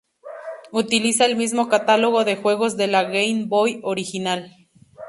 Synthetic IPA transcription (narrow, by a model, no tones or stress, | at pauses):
ut̪ilisaelmizmo̞kat̪alo̞ɣo̞ðe̞xwe̞ɣo̞zðe̞laɣejnbojo̞ɾixinal